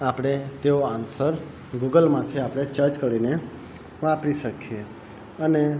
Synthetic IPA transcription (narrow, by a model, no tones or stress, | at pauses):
apɽ̃et̪eoansəɾ | ɡuɡəlmãt̪ʰiapɽ̃et͡ʃəɾt͡ʃkəɽine | ʋãpɾiʃəkʰije | əne